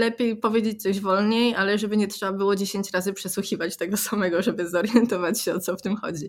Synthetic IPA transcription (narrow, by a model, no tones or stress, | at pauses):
lɛpʲjejpɔvʲjed͡ʑet͡ɕʲt̪sɔʑvɔlɲejalɛʐɛbɘɲɛtʂɛbabɘwɔd͡ʑeɕeɲt͡ɕɾazɘpʂɛswuxʲivat͡ɕt̪ɛɡɔsamɛɡɔʐɛbɘzɔɾjɛnt̪ɔvat͡ɕɕɛɔt̪sɔft̪ɘmxɔ̰d͡ʑi